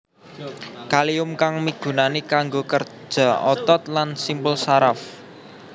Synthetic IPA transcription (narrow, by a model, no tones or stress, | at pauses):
kaliʊmkaŋmiɡ̥ṳnanikaŋɡokər̥ | d͡ʒ̥a̤ɔt̪ɔt̪̚lansimpʊlsaɾaf